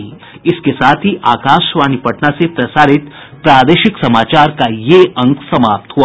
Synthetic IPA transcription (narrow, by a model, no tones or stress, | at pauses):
ĩ | ɪskesaːt̪ʰiʔaːkaːʃʋaːnipɐʈnasepɾɐsaːɾɪt̪ | pɾaːd̪eːʃɪksɐmaːt͡ʃaːɾkajeɐ̃ŋkʰsɐmaːp̚t̪ɦua